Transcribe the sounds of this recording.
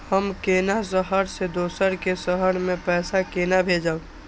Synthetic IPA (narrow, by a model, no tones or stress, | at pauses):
həmkeːnas̬əɦəɾsed̪oːsəɾkesəɦəɽmẽpɛːsakeːnabʱed͡ʒa